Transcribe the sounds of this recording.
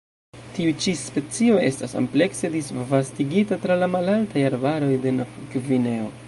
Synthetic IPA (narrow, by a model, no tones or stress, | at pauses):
tiut͡ʃispe̞t͡sio̞e̞stasa̰mple̞kse̞disvastiɡitatɾalamalaltajaɾbaɾo̞jde̞nafkvine̞o̞